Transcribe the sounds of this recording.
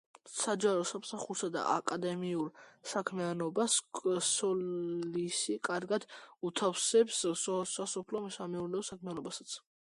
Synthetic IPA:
sad͡ʒaɾɔsamsaχuɾsad̪a̰ʔa̰kʼad̪ɛmiuɾsakʰmianɔbaskʼsɔlisikʼaɾɡad̪̥ut̪ʰafsɛpssɔsasɔpʰlɔmsamɛuɾnɛɔsakʰmianɔbasat̪sʰ

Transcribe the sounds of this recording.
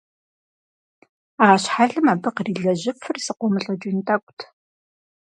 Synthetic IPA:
aːɕħaɮɨmabɨqriːɮɐʑɪfɨrsɨqʷɔmɨɬʼɐd͡ʒʼuntʼʰɐkʷʼtʰ

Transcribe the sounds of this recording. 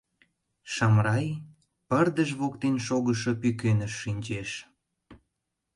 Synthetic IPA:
ʃɑmrɑj | pərd̪əʃβokt̪enʃoɣəʃo̽pykønəʃːinʲt͡ɕeʃ

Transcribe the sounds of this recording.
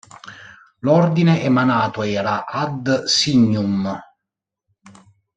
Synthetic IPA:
lɔrd̪ineʔemanaːt̪oɛːɾaʔad̪siɲːum

